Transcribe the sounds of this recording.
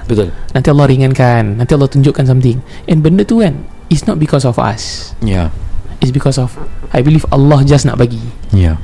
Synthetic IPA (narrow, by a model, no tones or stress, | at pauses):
bit̪ulnant̪ialːɔhɾiŋãnkanːãnt̪ialːɔht̪uɲd͡ʒʊʔkans̬amt̪ɪŋʔɛ̃nbəndət̪ukan | itsnɔt̪̚bikɔs̬ɔfa̰sjaɪts̬bikɔsɔfʔajbilifa̰lːɔhd͡ʒasna̰ʔbaɡija